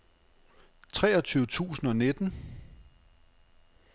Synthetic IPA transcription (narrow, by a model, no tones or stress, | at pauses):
t͡sʰʁɛːɒ̽t͡sʰyːʊət͡sʰṵːsn̩ɒ̽ned̥n̩